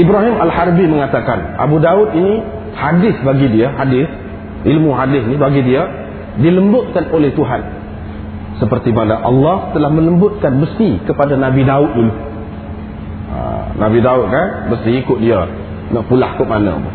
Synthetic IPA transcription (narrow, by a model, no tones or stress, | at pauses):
ʔibɾaɦimalhaɾbiməŋat̪akanʔa̰budaʊt̪̚ini | hadɪsbaɡidiaɦadɪs | ʔilmuɦadɪsnibaɡidia | diləmbʊt̪̚kanolɛht̪uɦan | səpərt̪imanaʔɑ̰lːɑht̪əlahmə̃ləmbʊt̪̚kanbəsikəpadanabidaʊt̪̚ilu | ə̰na̰bidaʊt̪̚kanbəsiikʊt̪̚dia | naʔpula̰hkʊʔmana̰bʊ̰